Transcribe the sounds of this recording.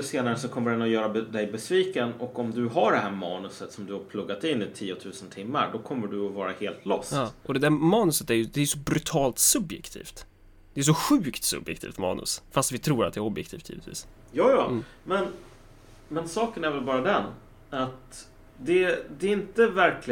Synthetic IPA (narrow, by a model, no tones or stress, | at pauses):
seːnaɾəsɔkʰɔmːəɖɛnɔjœːɾad̪ɛjbɛsviːkənɔkɔmd̪ɵɦaɖɛɦæːɾmɑːnɵsət̪sɔmd̪ɵhaɾpʰlɵɡːat̪ɪnːɪt̪ʰiːʊt̪ʰʉ̟ːsənt̪ʰɪmːa̰ɾɖ̪ɔkʰɔmːəɖɵɔvɑːɾaheːlt̪ʰlɔsɑt̪ːʔɔd̪ɛd̪æːɾmɑːnɵsət̪æjɵd̪ɛæjɵsɔbɾɵt̪ʰɑːlt̪sɵbjɛ̰kt̪ʰḭːft̪ | d̪̥ɛæʂ̬ɔɧʉ̟ːkt̪sɵ̰bjɛ̰kt̪ḭːft̪mɑ̰ːnɵ̰sfast̪vɪt̪ʰɾuːɾat̪̚d̪ɛæːɾɔbjɛkt̪ʰiːft̪ʰḭːvɪt̪vḭːs | jɑːjɑː | mɛn | mɛnsɑːkənæɾvɛlbɑːɾad̪ɛn | at̪ | d̪ɛd̪ɛɪnt̪əvæɾkʰlɪ